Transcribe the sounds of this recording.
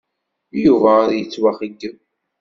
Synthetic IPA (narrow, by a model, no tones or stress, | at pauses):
juvæɾjət͡sːwaχəɡən